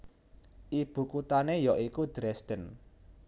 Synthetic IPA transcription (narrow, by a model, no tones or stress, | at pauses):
ʔib̥ṳkut̪anejɔʔikud̪̥ɾɛsd̪̥ən